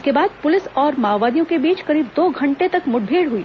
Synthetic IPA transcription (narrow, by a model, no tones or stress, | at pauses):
skebaːd̪̚pʊlɪsɔːɾmaːʋːaːd̪ijõkebiːt͡ʃkɐɾiːb̚d̪oːɡʱɐ̃ɳʈet̪ɐkmʊʈ̚bʱeːɽɦʊiː